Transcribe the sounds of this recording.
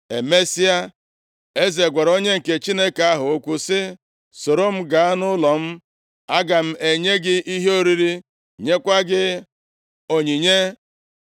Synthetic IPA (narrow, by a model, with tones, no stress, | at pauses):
e˨me˦si˦a˦ | e˦ze˨ɡʷa˨ɾo˦ɲe˦ŋ̩˨ke˨t͡ʃi˦ne˦ka˦ɦʊ˨o˦kʷu˦sɪ˦ | so˨ɾo˦m̩˦ɡa˨a˦nʊ˦lɔ˨m̩˦ | a˦ɡa˨m̩˦e˨ɲe˦ɡɪ˦i˦ɦe˦o˦ɾi˦ɾi˦ | ɲe˦kʷa˦ɡɪ˦ | o˨ɲi˨ɲe˦